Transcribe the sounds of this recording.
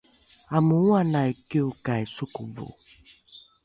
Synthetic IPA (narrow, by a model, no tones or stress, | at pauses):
amuuanaikiukaisukuvṵ